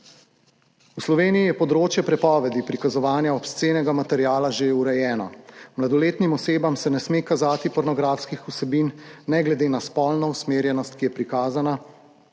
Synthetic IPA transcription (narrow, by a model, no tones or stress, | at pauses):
uslɔʋeːniijɛpɔd̪ɾoːt͡ʃjɛpɾɛpɔːʋɛd̪ipɾikazɔʋaːnjaɔpst̪seːnɛɡamat̪ɛɾjaːlaʒeuɾɛjɛːnɔmlad̪ɔleːt̪nimɔseːbamsɛnɛsmekazaːt̪ipɔɾnɔɡɾaːfskixusɛbiːnːɛɡlɛd̪eːnaspɔːlnɔusmeːɾjɛnɔst̪̚kijɛpɾikaːzana